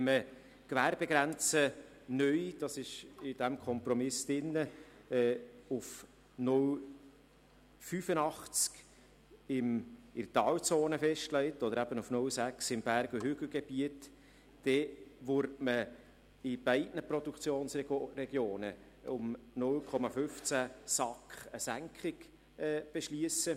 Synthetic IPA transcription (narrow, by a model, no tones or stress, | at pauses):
ɛmə | kʋæːɾb̥ɛɡɾænt͡sə | nœʏd̥ɑsɪʃɪd̥æmkʰɔmpɾɔmɪsd̥ɪnːəɛːʊf | nʊl | fyfənɑχt͡sk | ɪmɪrtɑːwt͡soːnəfɛʃtlɛɪtɔd̪əɾæb̥ənufnʊlsæksɪmb̥æɾɡuhʏɡl̩ɡ̥eb̥iətː | ɛʋʊɾtmə | ɪb̥ɛɪdnəpɾɔd̥̪ukt͡sjoːnsrɛɡjoːnə | ʊmnʊlkʰɔmɑfʏft͡sæsɑkχəsæŋkχɪɡ | ɛːb̥ɛʃliəsə